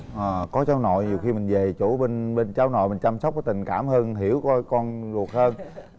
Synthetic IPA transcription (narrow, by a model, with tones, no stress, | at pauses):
ʔəː˨˩kɔ˨˦t͡ɕaː˨˦wno̰˧˨jɲi˨˩əwxi˧mï˨˩ŋ̟ve˨˩t͡ɕu˧˩˦ɓe˧nɓe˧nt͡ɕaː˨˦wno̰˧˨jmë̟˨˩t͡ɕa˧msə˦˥k͡p̚kɔ˨˦t̪ï˨˩ŋ̟kaː˧˩mhəː˧nɦi˧˩əwkɔ˧˦kɔ˧nzu˨˩ək̚həː˧n